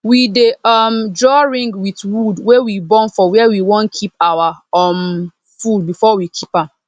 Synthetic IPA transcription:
wideʌmdɹɔɹĩŋɡwiθwudwewibɔ̃nfɔwɛwiwɔ̃nkʰipawaɔm | fud̚bifɔwikʰipãm

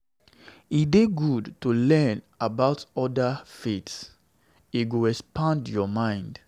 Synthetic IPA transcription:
ideɡudtulɛ̃n | abaʊtɔdafets | iɡoɹɛspãndjɔmãɪ̃nd

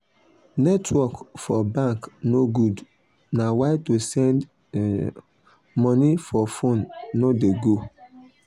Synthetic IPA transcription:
nɛtʰwɔkfɔbãŋknoɡud | nawaɪtosɛ̃nd | mɔ̃nifɔfõnːodeɡo

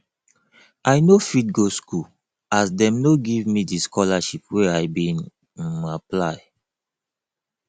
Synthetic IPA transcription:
ajnofit̚ɡosku | asdɛ̃mnoɡivmidiskʰɔlaʃipweaɪbĩn | maplaɪ

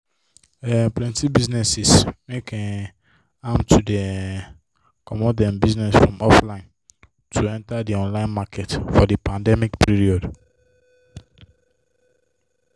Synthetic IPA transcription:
ɛplɛ̃ntibiznɛsismekʰɛ̃n | ãmtʰude | kʰɔmɔdɛ̃mbiznɛsfɹɔ̃mɔflãɪ̃n | tʰuɛ̃ntadiɔ̃nlãɪ̃nmakʰɛtfɔdipãndɛmikpʰiɹiɔd

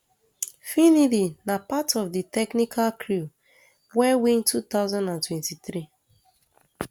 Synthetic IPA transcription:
finilinapatɔfditɛknikʰalkʰɹu | wɛwĩntut̪aʊzãndãntwɛ̃ntitɾi

